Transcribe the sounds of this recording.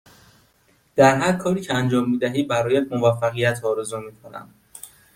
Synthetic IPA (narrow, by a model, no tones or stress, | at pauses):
d̪̥æɾɦæɾkʰɒːɾiːcʰeænd͡ʒɒːmːiːd̪æɦiːbæɾɒːjæʃmo̞væfːæɣijæt̪ʰɒːɾezumiːkʰonæ̰nd̪